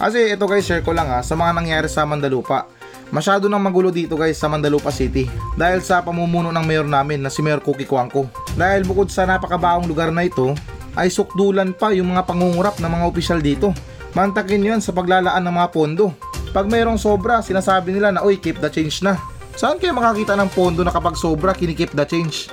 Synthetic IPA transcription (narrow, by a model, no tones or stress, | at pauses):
kɐs̬ɛʔɛt̪o̞ɡajsɛɾkolaŋasɐmɐŋanɐŋjaːɾɛsɐmɐnd̪ɐluːpa | mɐʃaːd̪o̞nɐŋmɐɡuːlo̞d̪iːt̪o̞ɡajsɐmɐnd̪ɐluːpɐsit̪ɪd̪aːhɪlsɐpɐmuːmuːno̞ʔnɐŋmɛjoɾnaːmɪnːɐsɪmɛjoɾkukɪkwaŋko̞d̪aːhɪlbʊko̞d̪̚sɐnɐpɐkɐbaːʔoŋlʊɡaɾnɐʔɪt̪o̞ʔɐjsʊk̚d̪uːlɐnpajʊŋmɐŋapɐŋuŋʊɾap̚nɐŋmɐŋaʔopɪʃald̪iːt̪o̞ | mɐnt̪ɐkɪnjansɐpɐɡ̚laːlɐʔanːɐŋmɐŋapo̞nd̪o̞ | pɐɡ̚mɛːɾo̞ŋso̞bɾɐsɪnaːsaːbɪnɪlanɐʔojkɪp̚d̪ɐt͡ʃɛjnt͡ʃna | sɐʔankɐjamɐkakiːt̪ɐnɐŋpo̞nd̪o̞nɐkɐpaɡso̞ːbɾakɪnɪkɪp̚d̪ɐt͡ʃɛjnt͡ʃ